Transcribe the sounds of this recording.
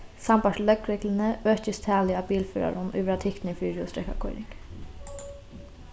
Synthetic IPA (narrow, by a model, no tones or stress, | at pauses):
sɑmbɑʂlœɡɾeklən̩əøːçəst̪ʰæːlɪɑːbiːlfyːɾɑ̰ɾʊnʔʉ̰ːʋəɾɑːt̪ʰɪkt̪n̩iːfyːɾʊ̰st̪ɾɛkɑ̰kʰɔʏɾɪ̰ŋɡ̥